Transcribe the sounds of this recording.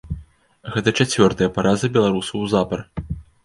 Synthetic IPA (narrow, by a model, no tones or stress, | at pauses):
ɣɛt̪ɐt͡ʂat͡sʲvʲɔrt̪ɐjɐpaɾʔazɨbʲɛlˠaɾusɐwzapɐr